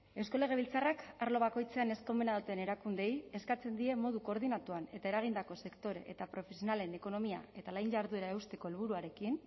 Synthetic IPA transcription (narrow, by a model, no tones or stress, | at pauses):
e̞wsko̞le̞ɣ̞e̞β̞ilt͡sarakaɾlo̞β̞ako̞jt͡se̞ane̞sko̞mbenaðut̪ene̞ɾakund̪e̞je̞skat͡se̞nd̪ie̞mo̞ðuko̞ɾðinat̪uane̞t̪ae̞ɾaɣ̞ind̪ako̞se̞kt̪o̞ɾe̞̰ʔet̪apɾo̞fesio̞nale̞ne̞ko̞no̞mia̰e̞t̪alajɲʝaɾðue̞ɾaewst̪e̞ko̞elβ̞uɾuaɾe̞kin